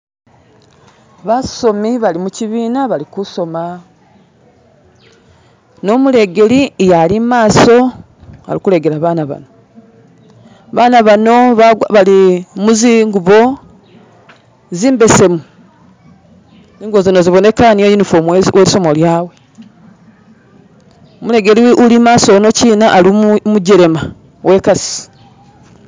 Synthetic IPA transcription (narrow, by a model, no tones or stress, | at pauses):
βaso̞miβalimuciβiːnaβalikuso̞ma | no̞muɾe̞ɡe̞lijalimaːso̞ | a̰ɾikuɾe̞ɡe̞ɾaβaːnaβa̰no̞ | βaːnaβano̞ββalimuziŋɡuβo̞ | ziːmbe̞se̞mu | ziːŋɡozinoziβo̞ne̞kaniojinifomweɾiso̞moljaːwe | omuɾe̞ɡe̞liulimaːso̞no̞ciːnaʔalimuɟeɾe̞ma | we̞kasi̥